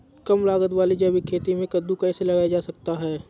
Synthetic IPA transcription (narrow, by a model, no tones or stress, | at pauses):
kɐmlaːɡət̪waːlid͡ʒɐbikʰeːt̪imẽkɐd̪ukɛːselɐɡaːjad͡ʒaːsɐk̚t̪aɦɛː